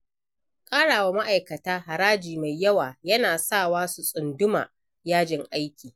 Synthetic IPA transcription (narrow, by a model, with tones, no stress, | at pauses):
kʼaː˦ɽaː˨wa˦ma˦ʔa˨jkɐ˨taː˦ɦa˨ɽaː˦d͡ʒiː˨ma˨jjɐ˦waː˨jɐ˦naː˨saː˦˨waː˦su˨sʼʊ˨ndʊ˦ma̰ː˨ | jaː˦d͡ʒɪ˦ŋʔa˦jkʲiː˨